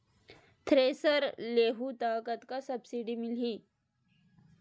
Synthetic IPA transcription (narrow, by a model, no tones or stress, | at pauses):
t̪ʰɾeːsəɾleːɦut̪aːkət̪kasɐbsiɖimɪlɦiː